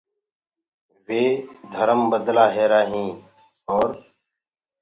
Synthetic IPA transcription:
ʋeːd̪ʱəɾəmbəd̪laːɦeːɾaːɦĩː | oːɾ

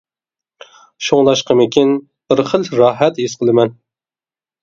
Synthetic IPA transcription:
ʃoŋlˠɑʃqɑmɪkʲin | b̥ɪɾχəlɾɑːɦɛt̪isqʰəlˠɨmɛn

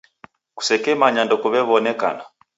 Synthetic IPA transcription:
ku̥sɛkɛmaɲandɔkuβɛβɔnɛka̰na

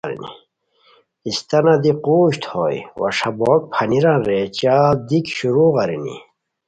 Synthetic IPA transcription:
ɾḭnḭ | ist̪ɐnad̪iquːɕt̪ho̰jwa̰ʂabɔk̚pʰɐniɾanɾet͡ɕad̪ikɕuɾuɣaɾinḭ

